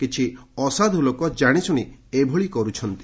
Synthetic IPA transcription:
kit͡ʃʰiɔsad̪ʱulokɔd͡ʒaɽ̃isuɽ̃iebʱɔɭikɔɾut͡ʃʰɔnt̪i̥

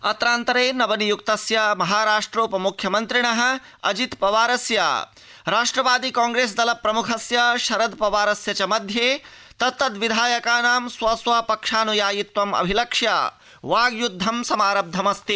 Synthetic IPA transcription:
ɐt̪ɾaːnt̪ɐɾeːnɐʋɐnijukt̪ɐsjɐmɐɦaːɾaːʂʈɾoːpɐmukʰjɐmɐnt̪ɾiɳɐɦɐ̆ | ɐ̰d͡ʒit̪pɐʋaːɾɐsja̰ː | ɾaːʂʈɾɐʋaːd̪ikãːŋɡɾeːs̬d̪ɐlɐpɾɐmukʰɐsjɐʃɐɾɐd̪pɐʋaːɾɐsjɐt͡ʃɐmɐd̪ʱjeː | t̪ɐt̪ːɐt̪ʋid̪ʱaːjɐkaːnaːmsʋɐsʋaːpɐkʂaːnujaːjit̪ʋɐmɐ̰bʱilɐkʂja̰ː | ʋaːɡjud̪ʱːɐmsɐmaːɾɐb̚d̪ʱɐmɐst̪i

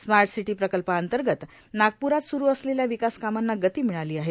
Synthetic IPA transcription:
smaɾʈsiʈiːpɾəkəlpəənt̪əɾɡət̪ | naɡ̚puɾat̪suɾuːəsleljaʋikaskamanːaɡət̪iːmiɭaliːaɦe

